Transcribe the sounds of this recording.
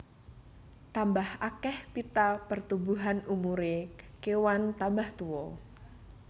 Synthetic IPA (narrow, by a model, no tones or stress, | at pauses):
t̪ambahakɛhpit̪apərt̪ubuɦanumuɾekewant̪ambaht̪uwɔ